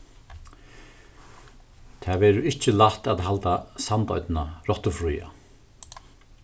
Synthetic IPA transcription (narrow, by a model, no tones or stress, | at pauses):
t̪ʰaːʋɛːɾʊɪht͡ʃɪlaht̪aðɦalt̪asant̪ɔ̰ʏt̪naɾɔht̪ʊfɾuja̰